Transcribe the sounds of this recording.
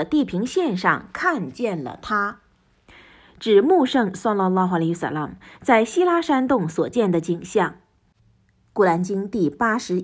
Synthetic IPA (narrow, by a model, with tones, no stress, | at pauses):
t̪i˥˩pʰi˧˥ŋɕjɛ˥˧nʂɑ̰˥˧ŋkʰa˥˧nt͡ɕjɛ˥˩nlə̰˩t̪ʰa˥ | ʈ͡ʂɻ̩˨˩mu˥˩˧ʂɤ˥˩ŋsɑ˥lːɑ˧lːɑ˥xa˧lsa̰˥la̰˧˩mt͡sa˥˩ɪɕi˥la˥ʂa˥nt̪ʊ˥˩ŋswɔ˨˩t͡ɕjɛ˥˩nd̪ə˩t͡ɕi˨˩ŋɕjɑ˥˩ŋ | ku˥˩la˧˥nt͡ɕi˥ŋt̪i˥˩pa˥ʂɻ̩˧˥